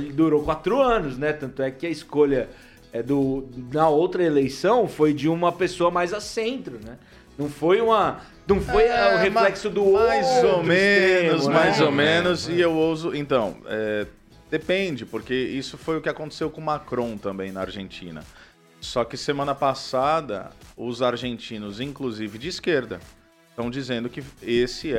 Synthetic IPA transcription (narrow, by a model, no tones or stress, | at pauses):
lɪd̪uɾokwat̪ɾʊɐ̃nʊsnɛt̪ɐ̃nt̪ʊɛkɪɐɪskoʎɐ | ɛd̪ʊnɐowt̪ɾɐelejsɐ̃w̃fojd͡ʒɪũmɐpesoɐmajzɐsẽnt̪ɾʊnɛ | nɐ̃w̃fojũmɐ | nɐ̃w̃fojɐʊheflɛksʊd̪ʊoajzomẽʊsmajzomẽnʊzɪewowzʊʔẽnt̪ɐ̰̃w̃ɛ | d̪̥epẽd͡ʒɪpʊɾkeisʊfojʊkɪakõnt̪e̥sewkõmakɾõw̃t̪ɐ̃mbẽj̃nɐa̰ɾʒẽnt͡ʃḭ̃nɐ̰ | sɔkɪsemɐ̃nɐpasad̪ɐ̰ʊzaɾʒẽnt͡ʃĩnʊzĩŋkluzivɪd͡ʒɪːskeɾd̪ɐ̰ | st̪ɐ̃w̃d͡ʒizẽnd̪ʊkɪesɪɛ